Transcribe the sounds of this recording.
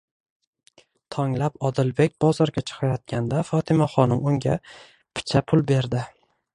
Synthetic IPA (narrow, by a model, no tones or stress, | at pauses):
t̪ʰɒŋlapɒd̪ɪlbe̞k̚ʲb̥ɒzɒɾɡʲat͡ʃʰɨ̥qʰɑjɒt̪̚kʲand̪afɒt̪ʰɪmaχɒnɪmʊŋɡʲa̰ | pʰɪ̥t͡ʃʰapʰʊlˠbe̞ɾd̪ɪ